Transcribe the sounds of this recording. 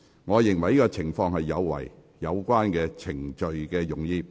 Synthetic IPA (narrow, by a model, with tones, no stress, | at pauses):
ŋɔː˨˧jɪ˨˩ŋwɐ˨˩jiː˥ɔː˧t͡sʰɪ˨˩ŋfɔː˧ŋhɐ˨jːɐ˨˧wwɐ̰˨˩j | jɐ˨˧wkʷaː˥nkɛː˧t͡sʰɪ˨˩ŋt͡ʃɵ˨ɥkɛː˧jʊ˨˩ŋjiː˧